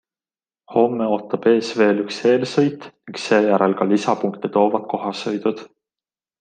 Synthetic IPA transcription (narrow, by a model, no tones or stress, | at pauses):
ho̞mːeo̞ːt̪ːˑɑb̥e̞ːsve̞ːlykshe̞ːlsɤjt̪niŋkse̞ːjæɾelkɑlisɑpuŋkt̪et̪o̞ːvɑd̪̥̚ko̞ɦɑsɤjd̪̥ud̪̥